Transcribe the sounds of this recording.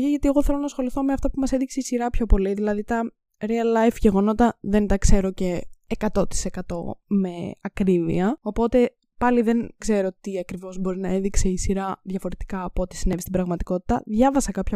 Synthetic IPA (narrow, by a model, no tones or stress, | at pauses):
çeʝɐt̪ie̞ɣo̞θelo̞nɐsxo̞liθo̞meɐft̪ɐpumɐseðikseisiɾɐpço̞po̞liðilɐðit̪ɐ | ɾiɐlːɐjfʝeɣo̞no̞t̪ɐðe̞nt̪ɐkse̞ɾo̞ce̞ːkɐt̪o̞t̪i̥se̞kɐt̪o̞me̞ɐkɾivḭɐopo̞t̪e̞ | pɐliðe̞nkse̞ɾo̞t̪iɐkɾivo̞zbo̞ɾinɐe̞ðikse̞isiɾɐðʝɐfo̞ɾe̞t̪i̥kɐːpoot̪i̥sinevist̪ibɾɐɣmɐt̪i̥ko̞t̪i̥t̪ɐðʝɐvɐsɐkɐpçɐ